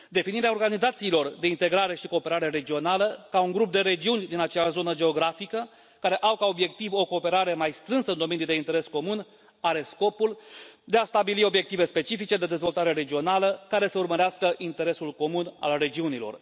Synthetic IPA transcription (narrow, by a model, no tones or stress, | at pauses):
d̪e̞finiɾeao̞rɡanizat̪siːlo̞rd̪e̞int̪e̞ɡɾaɾe̞ʃikoːpe̞ɾaɾe̞ɾe̞d͡ʒio̞naləkauŋɡɾup̚d̪e̞ɾe̞d͡ʒiunʲd̪inat͡ʃeaʃzo̞nəd͡ʒe̞o̞ɡɾafikə | kaɾe̞ʔawkao̞bje̞k̚t̪ivo̞ko̞ːpe̞ɾaɾe̞majst̪ɾɨnsəɨnd̪o̞me̞nijd̪e̞int̪e̞ɾe̞sko̞mun | aɾe̞sko̞puld̪e̞ast̪abilio̞bje̞k̚t̪ive̞spe̞t͡ʃifit͡ʃe̞d̪e̞d̪e̞zvo̞lt̪aɾe̞ɾe̞d͡ʒio̞naləkaɾe̞səurməɾeaskəʔint̪e̞ɾe̞sulko̞muna̰lre̞d͡ʒiunilo̞̰r